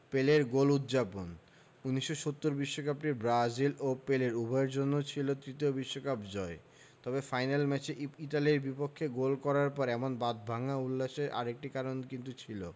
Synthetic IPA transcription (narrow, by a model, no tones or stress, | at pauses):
peleɾɡolut̪d͡ʑapon | unːiʃːoʃot̪ːoɾbiʃːokap̚ʈiɾbɾad͡ʑilopeleɾubʱɔeɾd͡ʑonːot͡ɕʰilot̪ɾit̪iobiʃːokapd͡ʑɔe | t̪ɔbefajnalmɛt͡ɕeiʈaliɾbipokʰːeɡolkɔɾaɾpɔɾɛmonbad̪̚bʱaŋaulːaʃeɾʔa̰ɾek̚ʈikaɾonkint̪̬ut͡ɕʰilo